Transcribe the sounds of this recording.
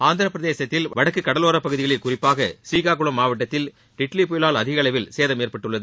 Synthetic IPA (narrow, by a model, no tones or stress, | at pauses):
aːnd̪ɐɾɐpːɾɐðeːsɐt̪ːɪlʋɐɽɐkːɯkːɐɽɐloːɾɐpːɐɣɯðɪɣɐɭɪlkʊrɪpːaːɣɐsiːɣaːkʊɭɐmːaːʋɐʈ̬ːɐt̪ːɪl | ʈɪʈlipʊjɪlaːlɐðɪɣɐɭɐɪʋɪlseːðɐmeːrpɐʈːɯɭːɐðɯ